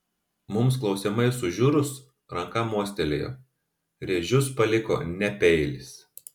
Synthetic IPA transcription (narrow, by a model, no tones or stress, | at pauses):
mʊmsklˠɒʊsʲɛmɐɪsʊʒʲuɾʊs | ɾɐŋkɐmuɔsʲt̪ʲɛlʲḛjo̰ | ɾʲeːʒʲʊspɐlʲɪko̰ːnʲɛpʲɛɪlʲɪs